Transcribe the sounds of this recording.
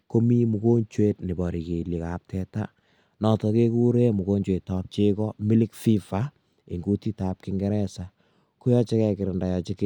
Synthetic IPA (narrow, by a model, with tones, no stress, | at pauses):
ko˦mi˦mu˨ko˦ɲt͡ʃwe˦tnɪ˨bɔ˨ɾi˨ke˨li˨ka˨p̚tɛta̰˦ | nɔ˨tɔ˨ke˦ku˦ɾe˦mu˨ko˦ɲt͡ʃwe˨tːa˦p̚t͡ʃe˦kɔ˦mi˦li˦kfi˦fa˦ | ḭ˨ŋɡu˦ti˦tap̚kɪŋɡɛ˦ɾɛsa˨ | ku˦jɔ˦t͡ʃe˦kɛ˧kɪ˨ɾɪ˨nda˨jɔt͡ʃɪ˦k